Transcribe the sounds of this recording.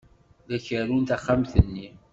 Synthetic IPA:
ðæçəɾunt̪aχːamθənːi

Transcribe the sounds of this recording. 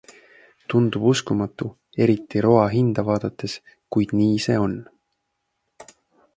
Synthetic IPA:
t̪und̪̥ub̥uskumɑt̪ːˑu | e̞ɾit̪ːˑiɾo̞ɑɦind̪̥ɑvɑːd̪̥ɑt̪ːˑe̞s | kujd̪̥niːse̞̰ːo̞n

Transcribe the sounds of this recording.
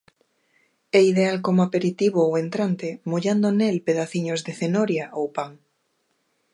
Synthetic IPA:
ɛiðealkomoapeɾit̪iβoowent̪ɾant̪emoʎand̪onelpeðaθiɲozðeθenoɾjaʔowpaŋ

